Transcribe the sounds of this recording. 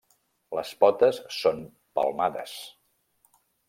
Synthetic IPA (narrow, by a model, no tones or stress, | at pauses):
ləspɔt̪əsːon | pə̰lˠmaðə̰s